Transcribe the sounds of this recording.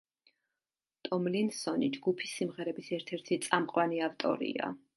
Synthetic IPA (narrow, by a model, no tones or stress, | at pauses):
t̪ʼɔmlinsɔnid͡ʒɡupʰisːimʁɛɾɛbisɛɾt̪ʰɛɾt̪ʰit̪sʼamqʼwaniaft̪ʼɔ̰ɾḭa̰